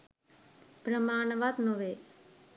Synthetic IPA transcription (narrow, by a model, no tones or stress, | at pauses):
b̥ɾəmaːnʋaːd̪noʋeː